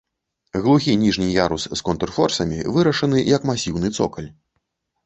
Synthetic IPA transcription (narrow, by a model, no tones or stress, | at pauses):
ɣlˠuɣʲinʲiʐnʲijaɾusskɔnt̪ɛrfɔrsɐmʲḭvɨɾɐʂɐnɨjɐkmasʲiwnɨt̪sɔ̰kɐlʲ